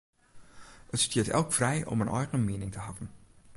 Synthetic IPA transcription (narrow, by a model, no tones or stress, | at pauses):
ətstiːətɛ̰lˠkfrɛjʔɔ̰mənʔɔjɣənmeːnɪŋtəɦɑvən